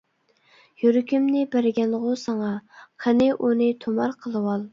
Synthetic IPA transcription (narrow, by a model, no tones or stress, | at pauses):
jyɾkʲymnɪbæɾɪɡʲɛnlːəʁʊsɑŋɑqʰənɪʔunɨt̪ʰomɑɾqʰəlˠɨwɑlˠ